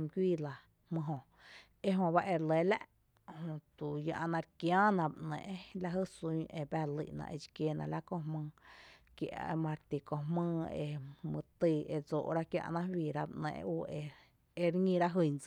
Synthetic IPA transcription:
m˧ɡʷiː˦˨la˧ | hmɨ̃˧ɦõ˧ | e˦ɦõ˧βa˦ʔe˧ɾle˧la̰˦ʔ | hõ˧t̪u˨jã˧ʔa˧nã˧ɾkjãː˦nã˧˨bʔnɛ̰̃˨ʔla˧˦ɦə˦su˧˦ʔe˧bæ˦lḭ˧˨ʔnã̰˧ʔe˧˨t͡ʃi˧kje˧nã̰˧la˦kõ˧ɦmɨ̃ː˧kja̰˧ʔmã˧ɾt̪i˨ko˧ɦmɨ̃ː˦˧ḛ˧mɨ̰̃˧t̪i˧e˧d͡zo̰ː˨ʔɾa˦kjã̰˧nã˦wiː˧˨ɾa˦bʔnɛ̰̃ː˧ʔʔuː˧e˧ | e˧ɾŋĩ˧ɾa˦ɦɨ˧˨nd͡z

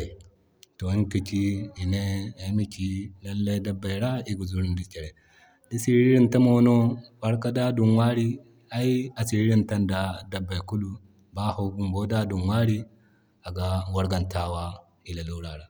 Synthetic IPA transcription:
to˨i˦ŋki˨t͡ʃi˦i˨ne˦a˨˦mi˦t͡ʃi˦la˦lːa˦jda˦bːa˨ɾa˦i˦ɡu˨zu˦ɾi˦ndi˨t͡ʃe˨ɾe˨ | di˦si˦ɾɾi˦ɾi˦nta˦mo˦no˦ba˦ɾka˦da˦du˨nwa˦ɾi˦ | a˦i˦a˨si˨ɾi˦ɾi˦nta˦nda˨da˨bːa˨jku˦lu˦ | ba˦ho˦bu˦mbo˦da˦du˨nwa˦ɾi˦ | a˨ɡa˨wa˦ɾɡa˨nta˦wa˦ | i˨la˨lu˦ɾa˨ɾa˨

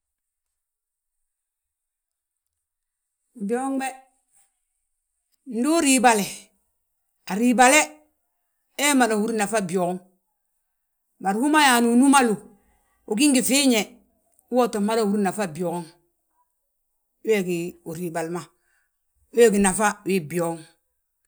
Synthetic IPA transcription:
bi˨o˦ŋbe˦ | n̩˦du˦ɾi˨ba˨le˨ | a˨ɾi˨ba˨le˦ | e˦ma˨da˨hu˦ɾna˨fa˦bi˨o˨ko˦ŋ | ma˨ɾhu˦ma˦ja˨nu˨nu˦ma˦lu˨ | o˨ɡi˦ŋɡi˨fi˦ɲe˨ | u˦wo˦to˨ma˦ɾa˨hu˦ɾna˨fa˦bi˨o˨ɡŋ˦ | e˦ɡi˨u˨ɾi˨ba˨lma˨ | we˦ɡi˨na˨fa˦wi˦bi˨o˨˦ŋ

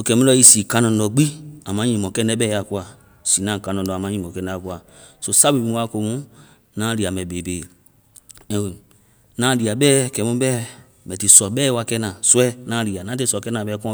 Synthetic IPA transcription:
so˧kɛ˨˦mũ˦lɔ˧˦i˧siː˨kã˧˦nɔ̃˨˦lɔ˧ɡ͡bi˦a˨mã˨˦ɲĩ˨mɔ̃˨kɛ˦nɛ̃˦ɓɛ˦a˨ku˦a˨ | si˨nã˨kã˧nɔ̃˨lɔ˨a˨mã˨˦ɲĩ˨mɔ̃˨kɛ̃˧˦nɛ˧˦a˨ku˦a˨ | so˧sa˦bi˨˦ũ˦wa˦ko˨˧˦mũ˦ | nãː˦li˨a˨mɛ̃˨be˨beː˨ | ɛ̃˨ | nãː˨˦li˨a˨bɛː˦kɛ˨mũ˦bɛ˦ | mɛ̃˨ti˨sɔ˨ɓɛː˦wa˧kɛ˦nã˨su˦ɛ˦nãː˦li˨a˨nã˨˦te˧˨˦sɔ˨kɛ˦nã˨ɓɛː˦kɔ̃˦

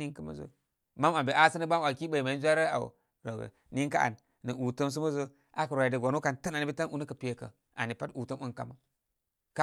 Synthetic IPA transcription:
i˦kə˦ma̰˦zo̰˦ | ma˦ma˨be˨ʔa˦sə˦nə˦ba˦m˨a˨ki˦ɓa˨i˨ma˨i˦zʷa˦ɾə˦a̰˨w̰ | ɾo˨ɡə̰˨ | ni˦ŋka˦a̰˨nː | ə˨ʔu˨tə˦ms̬u˦ma˦zo˦ | ʔa̰˨kə˨ɾa˨ja˨də˨ɡʷa˨no˦ka˨ntə˦na˨ni˨bi˦ta˦nu˨ni˦kə˨pi˨je˨kə̰˨ | a̰˨ni˨pa˦tu˨tə˦mʔu˦nka̰˨ma˦ | ka˦

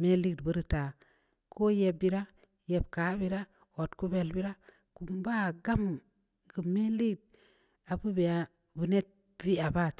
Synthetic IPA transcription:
me˦li˦dbə˦ɾi˨ta˨ | kʰo˦je˨bi˦ɾa˦ | je˨b̚ka˨˦bi˦ɾa˦ | o˨tku˦be˨lbi˦ɾa˦ | ku˨mba˦˨ɡa˦m | ɡu˨me˦li˦˨d̚ | a˨bu˦be˨a˨ | bu˨ne˦t̚ | vi˦a˨ba˦˨t

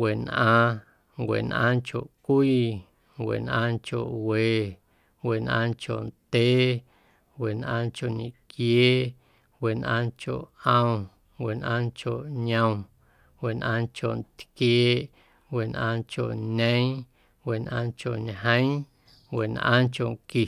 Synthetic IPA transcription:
we˨nʔãː˧ | ŋwʷḛ˨nʔã̰˧ŋko˨ʔkʷiː˦ | ŋwʷḛ˨nʔãː˧ŋko̰˨ʔwe˨ | we˨nʔã̰ː˧ŋko˨nt̪eː˦ | we˨nʔãː˧nko˧˨ɲĩ˨kjeː˦ | we˨nʔã̰ː˧ŋko̰˨ʔə̃˧w | ŋwʷe˨nʔãː˧ŋko˨ʔɲə̃˧w̃ | we˨nʔã̰˧ŋko˨nt̪kjeː˦ʔ | we˨nʔã̰ː˧ŋko̰˨ʔɲə̃˦j̃ | we˨nʔãː˧ŋko˨ɲɦə̃˦j̃ | we˨nʔã̰ː˦ŋko˨ŋki˨

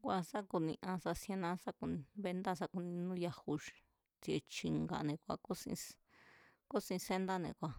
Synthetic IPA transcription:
kʷa˧sa˦ku˧nĩ˧ʔã˧sa˧sẽ˧nã˧˦sa˦ku˧ñ˧βe˧nd̪a˦sa˦˧ku˧nĩ˧nũ˦ja˧hu˧ | t͡si˧e˧t͡ʃi˧ŋɡa̰˧˨nẽ˨kʷa̰˧ko˦sḭ̃˧ | ko˦sĩ˧se˦nd̪a˦nḛ̃˨kʷa˨

